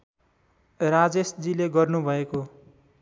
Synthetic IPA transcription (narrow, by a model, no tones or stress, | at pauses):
rad͡zesd͡zileɡʌrnubʱʌeko